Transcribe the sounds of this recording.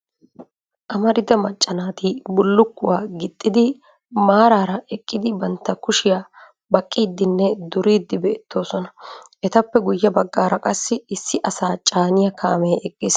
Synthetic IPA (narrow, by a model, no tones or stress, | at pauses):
ʔɐmɐɾɪd̪ɐmɐt͡ʃʼːɐnaːt̪ibʊlːʊkːʊwaːɡɪt̪ʼːɪd̪ɪ | maːɾaːɾɐɛkʼːɪd̪ɪbɐnt̪ːɐkʊʃɪjaː | bɐkʼːiːd̪ːɪnːɛd̪ʊɾiːd̪ːɪbeːt̪ːo̞ːsɔnɐʔɛt̪ɐpːɛɡʊjːɐbɐɡːaːɾɐkʼɐsːɪɪsːɪʔɐsaːt͡ʃʼaːnɪjɐkʰa̰ːmeːʔɛkʼːɪːs